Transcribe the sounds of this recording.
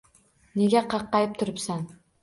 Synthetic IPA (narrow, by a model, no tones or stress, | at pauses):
ne̞ɡʲaqʰɑqːɑjɪp̚t̪ʰʊɾɪpsan